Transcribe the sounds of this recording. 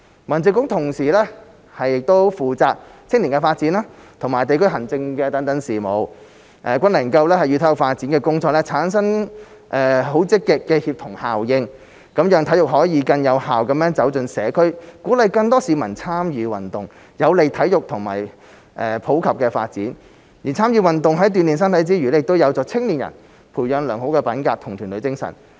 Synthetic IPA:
mɐ˨˩nt͡sɪ˨˧ŋkːʊ˨˥ŋt̪ʰʊ˨˩ŋsiː˨˩lɛː˥ | hɐ˨jːɪ˨k̚t̪o˥wfuː˨t͡saː˧k̚t͡sʰɪ˥ŋliː˨˩ŋkɛ˧faː˧t̚t͡siː˨˥naː˥t̪ʰʊ˨˩ŋmaː˨˩jt̪e˨jkʰɵ˥ɥɦɐ˨˩nt͡sɪ˧ŋkɛː˧t̪ɐ˨˥ŋt̪ɐ˨˥ŋsiː˨˩mo˨˧w | ʔɛː˨kʷɐ˥nlɐ˨˩ŋkɐ˧wlɛː˥hɐ˨jyː˧t̪ʰɐ˨˥jʊ˨k̚faː˧t̚t͡si˨˥nkɛː˧kʊ˥ŋt͡sɔː˧k̚lɛː˥t͡sʰaː˨˥nsɐ˥ŋ | ʔɛː˧ɦo˨˥wt͡sɪ˥kːɪ˨kːɛː˧hiː˧p̚t̪ʰʊ˨˩ŋhaː˨wjɪ˧ŋ | kɐ˨˥mjœː˧ŋt̪ʰɐ˨˥jʊ˨k̚ɦɔː˨˥jiː˧kɐ˧njɐ˨˧whaː˨wkɐ˨˥mjœː˨˥ŋt͡sɐ˨˥wt͡sɵ˧nsɛː˨˧kʰɵ˥ɥkuː˨˥lɐ˨jkɐ˧ŋt̪ɔː˥siː˨˧mɐ˨˩nt͡sʰaː˥mjyː˨˧wɐ˨˩nt̪ʊ˨˩ŋ | jɐ˨˧wle˨jt̪ʰɐ˨˥jʊ˨k̚t̪ʰʊ˨˩ŋma̰ː˨˩j | ʔɛː˧pʰo˨˥wkʰɐ˨p̚kɛː˧fa̰ː˧t̚t͡sḭː˨˥n | ji˨˩t͡sʰaː˥mjyː˧wɐ˨nt̪ʊ˨ŋɦɐ˨˥jt̪̬yː˨nliː˨ns̬ɐ˥nt̪ʰɐ˨˥jt͡siː˥jyː˨˩lɛ˥jɪ˨kt̪o˥wjɐ˨˧wt͡sɔː˨˩t͡sʰɪ˥ŋliː˨˩njɐ̰˨˩n | pʰuː˨˩jœː˨˧nlœː˨˩ŋho˨˥wkɛː˧pɐ˨˥nkaː˧p̚t̪ʰʊ˨˩ŋt̪ʰyː˨˩nlɵ˨˧ɥt͡sɪ˥ŋsɐ̰˨˩n

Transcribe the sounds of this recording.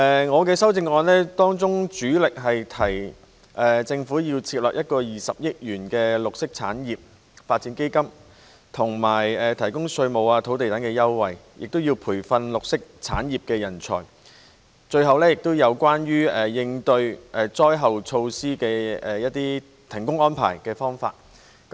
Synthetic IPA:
ɛː˨ŋɔː˨˧kɛː˧sɐ˥wt͡sɪ˧ŋɔː˧nlɛː˥t̪ɔː˥ŋt͡sʊ˥ŋt͡ʃt͡syː˨˥lɪ˨k̚ɦɐ˨jt̪ʰɐ˨˩j | ʔɛː˨t͡sɪ˧ŋfuː˨˥jiː˧wt͡sʰiː˧t̚lœː˨k̚jɐ˥t̚kɔː˧jiː˨sɐ˨p̚jɪ˥k̚jyː˨˩nkɛː˧lʊ˨k̚sɪ˥k̚t͡sʰa̰ː˨˥njiː˨˩p̚ | faː˧t̚t͡siː˨˥nke˥jkɐ˥m | t̪ʰʊ˨˩ŋmaː˨˩jɛː˨t̪ʰɐ˨˩jkʊ˥ŋsɵ˧ɥmo˨waː˧t̪ʰo˨˥wt̪e˨jt̪ɐ˨˥ŋkɛː˧jɐ˥wwɐ˨jjʔɪ̰˨k̚t̪o˥wji˧wpʰuː˨˩jfɐ˧nlʊ˨k̚sɪ˥k̚t͡sʰaː˨˥njiː˨p̚kɛː˧jɐ˨˩nt͡sʰɔ̰ː˨˩j | t͡ʃɵ˧ɥɦɐ˨wlɛː˥jɪ˨k̚t̪o˥wjɐ˨˧wkwaː˥nɥyː˥ɛː˨jɪ˧ŋt̪ɵ˧ɥʔɛ˨t͡sɔː˥jɦɐ˨wt͡sʰo˧wsiː˥kɛː˧ɛː˨jɐ˥t̚t̪iː˥ | t̪ʰɪ˨˩ŋkʊ˥ŋɔː˥npʰa̰ː˨˩jkɛː˧fɔː˥ŋfa̰ː˧t̚ | k

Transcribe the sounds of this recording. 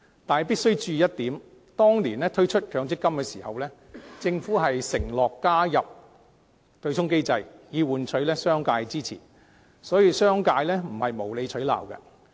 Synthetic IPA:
t̪aː˨piː˥t̚sɵ˥ɥt͡ʃyː˧jɐ˥t̚t̪iː˨˥m | t̪ɔː˥ŋliː˨˩nlɛː˥t̪ʰɵ˥ɥt͡ʃʰɵ˥t̚kʰœː˨˧ŋt͡sɪ˥kːɐ˥mkɛː˧siː˨˩hɐ̰˨wlɛː˥ | t͡sɪ˧ŋfuː˨˥ɦɐ˨jsɪ˨˩ŋlɔː˨kːaː˥jɐ˨p̚ | t̪ɵ˧ɥt͡ʃʰʊ˥ŋke˥jt͡sɐ˧jjiː˨˧wuː˨˧nt͡ʃʰɵ˨˥ɥlɛː˥sœː˥ŋkaː˧jt͡siː˥t͡sʰḭː˨˩n | sɔː˨˥jiː˧sœː˥ŋkaː˧jlɛː˥m̩˨˩hɐ˨jmo˨˩wle˨˧jt͡ʃʰɵ˨˥ɥla̰ː˨˩wkɛ̰˧

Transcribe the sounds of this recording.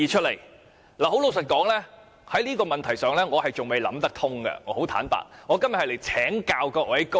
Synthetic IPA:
iː˧t͡ʃʰɵ˥t̚le˨˩j | laː˨˩ɦo˨˥wlo˨˧ws̬ɐ˨t̚kɔː˨˥ŋlɛː˥ | hɐ˨˥jliː˥kɔː˧mɐ˨nt̪ʰɐ˨˩jsœː˨ŋlɛː˥ŋɔː˨˧hɐ˨jt͡sʊ˨ŋme˨jlɐ̰˨˥mt̪ɐ˥k̚t̪ʰʊ˥ŋɡɐ̰˧ŋɔː˨˧˥ho˨˥wt̪ʰaː˨˥npa̰ː˨˩t̚ŋɔː˨˧kɐ˥mjɐ˨thjle˨˩jt͡sʰɛː˨˥ŋkaː˧wkɔː˧ʔwʔɐ˨˥jko˥

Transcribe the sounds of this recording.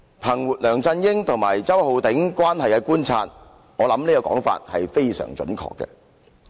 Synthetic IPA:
pʰɐ˨˩ŋwuː˨t̚lœː˨˩ŋt͡sɐ˧njɪ˥ŋt̪ʰʊ˨˩ŋmaː˨˩jt͡sɐ˥who˨˧wt̪ɪ˨˥ŋkʷwaː˥nhɐ˨jkɛ˧kuː˥nt͡sʰaː˧t̚ | ŋɔː˨˧lɐ˨˥mliː˥kɐ˧kɔ̰ː˨˥ŋfa̰ː˧t̚hɐ˨jfe˥jsœ̰ː˨˩ŋt͡ʃɵ̰˨˦˥nkʰɔ̰ː˧kːɛ̰˧

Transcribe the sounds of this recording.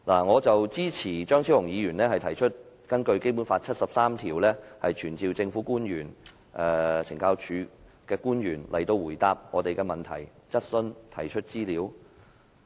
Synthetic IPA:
laː˨˩ŋɔː˨˧t͡sɐ˨wt͡siː˥t͡sʰiː˨˩t͡ʃœː˥ŋt͡sʰi˨˥whʊ˨˩ŋjiː˨˧jyː˨˩nlɛː˥hɐ˨jt̪ʰɐ˨˩jt͡ʃʰɵ˥t̚ | kɐ˥nkɵ˧ɥke˥jp̬uː˨˥nfaː˧t̚t͡sʰɐ˥t̚sɐ˨p̚saː˥mt̪ʰiː˨˩wlɛː˥hɐ˨jt͡ʃʰyː˨˩nt͡siː˨˧wt͡sɪ˧ŋfu˨˥kuː˥njyː˨˩n | ʔɛː˧t͡sʰɪ˨˩ŋkaː˧wt͡ʃʰyː˨˧ | kɛː˧kuː˥njyː˨˩nlɐ˨˩jt̪o˧wuː˨˩jt̪aː˨p̚ŋɔ̰ː˨˧t̪e˨jkɛː˧mɐ˨nt̪ʰɐ̰˨˩jt͡sɐ˥t̚sɵ˧nt̪ʰɐ˨˩jt͡ʃʰɵ˥t̚t͡siː˥liː˨˥w

